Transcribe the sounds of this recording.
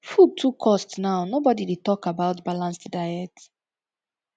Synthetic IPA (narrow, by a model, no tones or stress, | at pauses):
fud̚tʰukʰːɔstnaʊnobɔdiditɔkabaʊtbalãnstdaɪɛt